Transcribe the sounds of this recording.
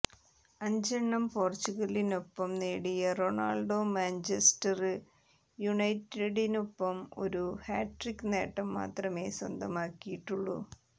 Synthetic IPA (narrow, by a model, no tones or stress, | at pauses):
ɐɲd͡ʑɐɳːɐmpoːrt͡ɕːuɣɐlinopːɐmneːɽijɐro̞ɳa̰ːɭɖoːmaːnt͡ɕesʈɐrɨ | juɳɐjtːeɽinopːɐmo̞̰ɾuhaːʈrikːɨneːʈːɐmːa̰ːt̪rɐme̞ːswɐ̰nd̪ʱɐmaːkːijiʈːuɭːṵ